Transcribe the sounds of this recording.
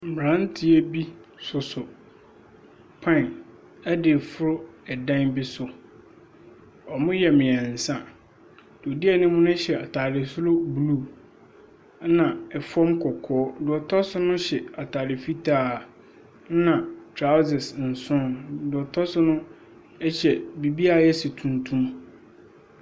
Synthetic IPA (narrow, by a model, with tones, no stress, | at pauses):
m̩˨bɾã˦n˦tʰɪ˦ɛ˦bi˦sʊ˨sʊ˨ | pʰã˦˨n | ɛ˦dɪ˨fʊ˦ɾʊ˦ɛ˨dã˦nbɪ˦sʊ˨ | ɔ˨mʊ̃˦jɛ˨mɪ̃˨ɛ̃˨n̩˨sã˦ | d̥ʊ˨o˨di˦ɛ˨nɪ̃˦mʊ̃˦nʊ̃˦ɕɛ˨ʔa˨tʰaː˨ɾɪ˨sʊ˦lo˦bu˨lu˦˨˦ | nã˨ɛ˨fɔ̃˦mkʰɔ˨kʰɔː˦dʊ˨ɔ˨tʰɔ˦sʊ˦nʊ̃˦ɕɛ˨a˨tʰaː˨ɾɪ˨fi˦tʰaː˦˨˦ | nã˨tʰɾa˦zɪ˨sn̩˨sʊ̃˦ndʊ˨ɔ˨tʰɔ˦sʊ˦nʊ̃˦ | ɛ˦ɕɛ˨bi˨bi˦a˨˦ɛ˦sɪ˨tʰũ˨ntʰũ˦m